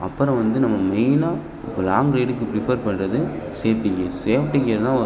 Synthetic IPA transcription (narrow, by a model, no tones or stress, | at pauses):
ɐpːɯɾɔ̃ʋɐnd̪ɯnɐmːɐmɐɪna | bɪlaːŋɡɾeɪɖɯkːɯpɾɪfɐɾpɐɳrɐðɯseːʋʈːɪŋɡɐseːʋʈːɪŋɡɪɾɐðt̪ãː